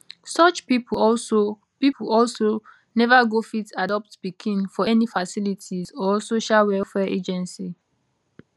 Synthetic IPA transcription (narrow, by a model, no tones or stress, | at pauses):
sɔt͡ʃpipʰɔso | pipʰuɔlso | nɛvaɡofitadɔp̚tb̥ikʰĩnfɔɛnifasilitʰizɔsoʃalwɛlfɛʔed͡ʒɛ̃nsi